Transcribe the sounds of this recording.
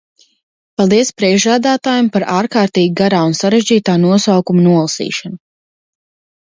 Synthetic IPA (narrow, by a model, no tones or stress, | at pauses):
palˠd̪iɛspɾiɛʒaːd̪aːt̪aːjumpaɾaːɾkaːɾt̪iːɡiɡaɾaːunsaɾeʒd͡ʑiːt̪aːnuɔsawkumanuɔlˠasḭːʃanu